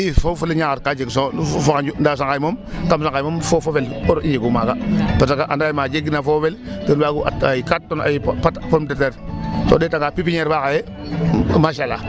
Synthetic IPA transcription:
fofuliɲakatkad͡ʒeɡsonfokand͡ʒundas̬aŋkajmomkamsaŋkajmomfofofeloɾid͡ʒiɡumaɡapasakaʔa̰ndajmad͡ʒeɡinafofeltənbaɡua̰tajikat̚tːona̰jipatpomteteɾso̰deːtaŋɡaːpipiɲeɾbakaje | maʃala

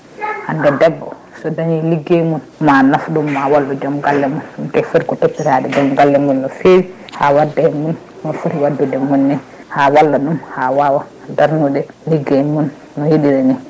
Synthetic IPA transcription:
handɛdɛbːɔ̰ | sɔdaɲiliɡːemun | manafɗumːawalːud͡ʒamɡalːɛmunmtɛfuɾkɔtopːiɾaɗɛd͡ʒamɡalːɛmunːɔfeɾi | hawadːɛɛmun | nɔfuɾiwadːudɛmunːɛ | hawalːaɗumhawawa | daɾnudɛ | liɡːemun | nɔjiɗiɾaɲi

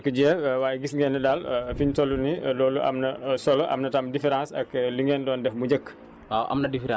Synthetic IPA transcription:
kəɟɛwaːjɡisŋɡɛnɛdaːlfiɲtɔlunilɔːluʔa̰mnɐsɔlʔɐ̰mnɐtamdifɛɾãːsɐkliŋɡɛːndɔːndɛfmud͡ʒəkː | wawʔa̰mnɐdifɛɾã

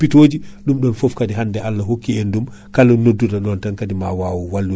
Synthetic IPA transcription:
pitod͡ʒiɗumɗɔnfɔfkadiɦandɛʔalːaɦokːiendum | kalɔnːodːudaɗɔntankadimawawuwalːu

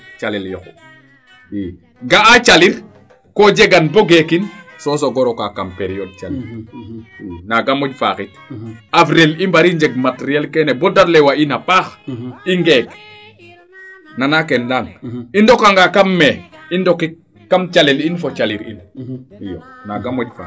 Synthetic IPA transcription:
t͡ʃaliljɔ̰k | i | ŋɡaat͡ʃaliɾ | kod͡ʒeɡanboɡekin | sos̬oɡɔɾokakampeɾiod̚t͡ʃaliɾ | inaɡamɔɟfa̰ːkit | afɾelimbaɾiɲd͡ʒeɡ̚mateɾiɛlkɛnebodaɾlewainapaːxiŋɡek | nanakendanindɔkaŋɡakamːɛindokikː | amt͡ʃalilinfot͡ʃaliɾḭnijo | naɡamɔɟfa̰

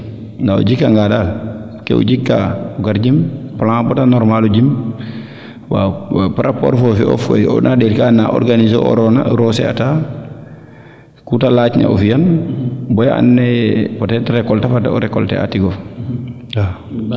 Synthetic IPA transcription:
naɔ̰d͡ʒikːaŋɡadal | kɛ̰ṵd͡ʒikːa̰uɡaɾd͡ʒimplãbɔtanɔɾmalud͡ʒim | wa̰pɾʔapɔ̰ɾfɔfiɔ̰fḛjɔ̰naɗɛɾkanːaʔɔ̰ɾɡanizo̰ʔɔ̰ɾɔnaɾɔsɛ̰ata | kutalat͡ʃɲa̰ɔfijanbɔja̰a̰nːɛpɔtɛtɾɛkɔltafataɔɾɛkɔltɛ̰a̰tiɡɔ | a

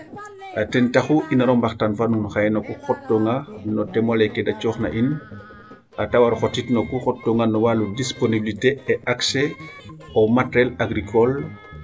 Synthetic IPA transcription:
ʔatentaxuʔinaɾɔmbaxtanfanunxajɛnokuxɔtːɔŋanɔtɛmalɛkedat͡ʃɔxna̰ʔin | ʔatawaɾxotitnokuxɔtːɔŋɡanɔwaludisponibiliteɛʔakse | ɔmatɾɛlaɡɾikɔl

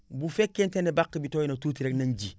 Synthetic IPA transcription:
bufekːentenebakːibitojinatuːtiɾeknand͡ʒi

